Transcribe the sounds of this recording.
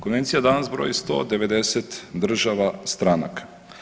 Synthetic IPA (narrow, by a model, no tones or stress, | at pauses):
konʋent̪sijad̪anazbɾo̰jist̪o̰d̪ɛʋed̪esɛt̪d̪r̩ʒaʋast̪ɾana̰kḁ